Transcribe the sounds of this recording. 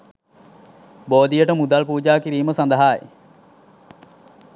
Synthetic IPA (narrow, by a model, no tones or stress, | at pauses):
boːd̪ijəʈəmud̪ɐlpuːd͡ʒaːkiɾiːməsɐnd̪ɐɦaːḛ